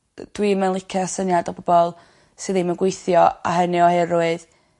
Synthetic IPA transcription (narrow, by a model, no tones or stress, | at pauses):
d̥wimənlˠɪkʰɛsənjadɔbɔbɔlˠ | sɨðimənɡwejθjɔa̰ɦənɪɔhɛroɨð